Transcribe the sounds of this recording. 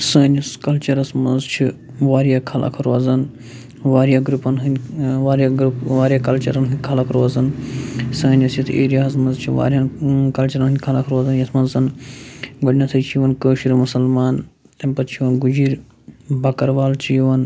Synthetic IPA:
sɐːnʲɐskɐlt͡ʃɐɾɐsmɐnzt͡ʃʰi | ʋaːɾjaːkʰɐlʔa̰kʰɐɾɐzɐn | ʋaːɾjaːɡɾupɐnɦɨnʲʋaːɾjaɡɾupʋaːɾʲijaːkɐlt͡ʃɐ̰ɾɐnɦɨnʲkʰɐlakʰɐɾʋɐzɐnsɐːnʲɐsjit̪ʰeːɾijaːɐsmɐnzt͡ʃʰiʋa̰ːɾʲjankɐlt͡ʃɐɾɐnɦɨnʲkʰɐlakʰɐɾʋaːzɐnjɐsmɐnzzɐn | ɡɐɽnʲasʰɐjt͡ʃʰijʋɐnkəːʃiɾmusɐlmaːn | t̪ɐmʲpɐt̪t͡ʃʰiʋɐnɡud͡ʒiɾ | bɐkɐɾʋaːlt͡ʃʰijʋɐn

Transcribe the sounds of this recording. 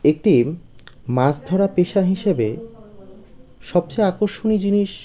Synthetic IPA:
ek̚ʈi | masd̪ʱɔɾapeʃaɦiʃebe | ʃɔb̚t͡ɕejakoɾʃonid͡ʑiniʃ

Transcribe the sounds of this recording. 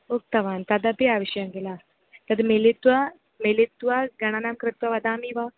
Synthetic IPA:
ok̚t̪ɐʋaːnt̪ad̪abiaːʋiʃanɡela | t̪ɐd̪melit̪ʋa | melit̪ːʋaɡɐɽ̃anaːmkɾɪt̪ʋaʋɐd̪aːmiʋa

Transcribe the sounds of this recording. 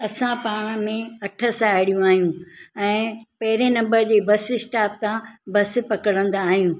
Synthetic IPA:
ɐsãpaːɽ̃mẽɐʈʰəsãeːɽijũaːɦijũɛ̃ːpɐɦɪɾenɐ̃mbəɾd͡ʑeːbɐsɪsʈaːp̚t̪ãbɐs̆pɐkəɽə̃nd̪aːɦijũ

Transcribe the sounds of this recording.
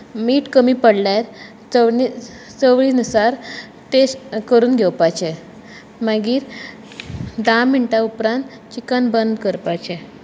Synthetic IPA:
miːʈkəmiːpəɽlaɾ | t͡səi | t͡səwɭiːnəsaɾ | tesʈkəɾuːnɡʱɛwpajt͡ɕe | maɡiːɾ | d̪amːiɳʈaupɾãnt̪ | t͡ɕikənbənd̪kəɾpat͡ɕe

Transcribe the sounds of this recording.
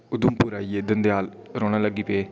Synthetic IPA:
ʊd̪ʊmpuːɾaːieːd̪ənd̪ejaːlɾoːɽ̃ãːləɡiːpeː

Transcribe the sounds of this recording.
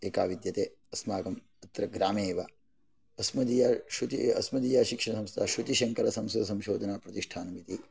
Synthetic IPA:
eːkaːʋid̪jɐt̪eː | ɐsmaːɡɐm | ɐt̪ɾɐɡɾaːmeːʋa | ɐsmɐd̪ijaʃut̪iɐsmɐd̪iːjaːʃikʂɐɳɐsɐmst̪ʰaːʃut̪iʃɐŋkɐɾɐsɐmsɐɐsɐmʃoːd̪ʱɐnaːpɾɐt̪iʂʈʰaːnɐmit̪i

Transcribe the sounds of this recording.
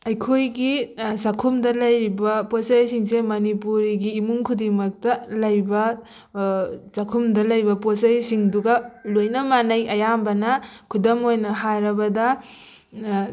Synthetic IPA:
ɐjkʰojɡisɐkʰumdɐlɐjɾibɐposɐjsiŋsemɐnipuɾiɡiːmuŋkʰudiŋmɐk̚tɐlɐjbɐ | sɐkʰumdɐlɐjbɐposɐjsiŋduɡɐlojnɐmanɐjɐjambɐnɐkʰudɐmojnɐɦajɾɐbɐdɐ

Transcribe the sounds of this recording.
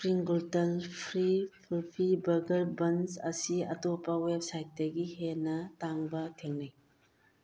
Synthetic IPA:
pɾiŋɡultɐlpʰɾipʰulpʰibɐɡɐɾbɐnsɐsiɐ̰topːɐwep̚sajt̚dɐɡiɦenɐtaŋbɐtʰeŋnaj

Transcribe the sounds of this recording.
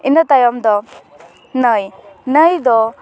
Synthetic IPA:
inət̪ajɔmd̪ɔ | nəjnəjd̪ɔ

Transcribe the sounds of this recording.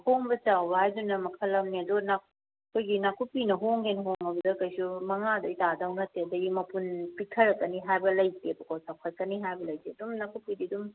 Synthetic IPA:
hoŋbɐt͡ʃawbɐɦajdunɐmɐkʰɐlɐmniɐdona | kʰojɡinakʰupinɐɦoŋhenɐɦoŋɐbɐdɐkɐjsumɐŋadɐitadawnɐteɐdɐimɐpunpitʰɐɾɐkːɐniɦajbɐlɐjtebukawsawkʰatkɐniɦajbɐlɐjteɐdumnakʰupididum

